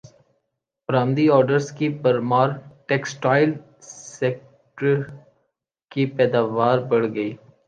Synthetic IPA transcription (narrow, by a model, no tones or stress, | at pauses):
pɾaːmd̪iɔːɾɖəɾskibɐɾmaːɾʈeːksʈaːɪl | seːk̚ | ʈəɾ | kipɛːd̪aːʋaːɾbɐɽɡɐiː